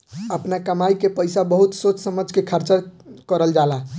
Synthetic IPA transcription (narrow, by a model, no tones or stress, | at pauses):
əpnakəmajkepəjsabəɦut̪sot͡ʃsəməd͡ʒʱkekʰəɾt͡ʃəɾkəɾəld͡ʒala